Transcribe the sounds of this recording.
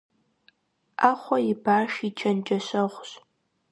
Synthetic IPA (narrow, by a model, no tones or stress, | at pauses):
aːχʷɔjɪbaːʃit͡ʃʰɐnt͡ʃʼɐɕɐʁʷɕ